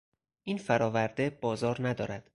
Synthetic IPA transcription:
ʔiːnfæɾɒːvæɾd̪e̞bɒːzɒːɾnæd̪ɒːɾæd̪̥

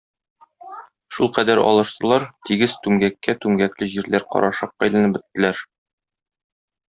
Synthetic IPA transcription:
ʃulˠqæd̪æɾɒ̰lˠɤ̆ʃt̪ɤ̆lˠɑɾt̪iɡɘzt̪ʉŋɡækːæt̪ʉŋɡæklɘʑiɾlæɾqɒ̰ɾʔɑʃɑq̚ːæjlæ̆nɘpbɘ̆t̪ːɘ̆læɾ

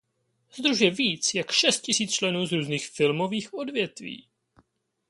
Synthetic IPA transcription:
zd̪ɾuʒjɛviːt͡sjakʃɛst̪̚cɪsiːt͡st͡ʃlɛnuːzɾuːzniːxfɪlmo̞viːxʔo̞dvjɛt̪vḭː

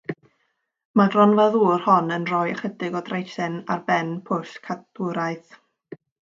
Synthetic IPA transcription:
madrɔnvaðuːr̥hɔnənrɔjəχədɪɡɔdrejsɪna̰rbɛnpʰʊskʰatuɾaɨθ

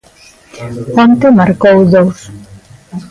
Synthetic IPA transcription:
pont̪emaɾkowðows

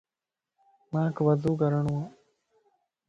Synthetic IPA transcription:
maːkɐʋɐzuːɡɐɾɐɳuʋɐ

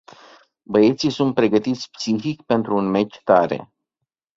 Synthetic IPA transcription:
bəe̞t̪sijsunt̪̚pɾe̞ɡət̪it̪sʲpsixikpe̞nt̪ɾuːnme̞t͡ʃʲt̪aɾe̞̰

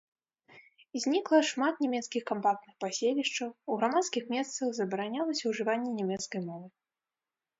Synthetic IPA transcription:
zʲnʲiklˠɐʂmat̪̚nʲɛmʲɛt̪skʲixkampak̚t̪nɨxpasʲelʲiʂt͡ʂɐwuɣɾamat̪skʲixmʲɛst̪sɐɣzɐbɐɾanʲalˠɐsʲɐwʐɨvanʲːɛnʲɛmʲɛt̪skɐjmɔvɨ

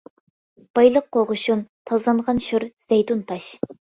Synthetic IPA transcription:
b̥ɑjlˠəqːoʁʊʃunt̪ʰɑzlˠɑnʁɑnʃuɾz̥ejt̪unt̪ʰɑʃ

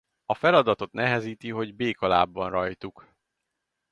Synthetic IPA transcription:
ɒfɛlɒd̪ɒt̪o̞t̪nɛɦɛziːt̪iɦo̞ɟbeːkɒla̰ːbːɒnrɒjt̪uk

